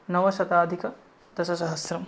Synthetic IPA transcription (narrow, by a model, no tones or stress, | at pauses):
nɐʋɐʃɐt̪aːd̪ʱikɐ | d̪̥ɐʃɐsɐɦɐsɾɐm